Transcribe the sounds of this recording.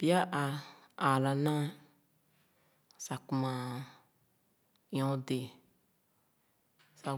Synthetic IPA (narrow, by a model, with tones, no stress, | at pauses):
pja˦ʔa˧ | a˨la˧nã˦ | sa˧ku˧mã˧ | j̃õ˧˦d̪e˨ | sa˧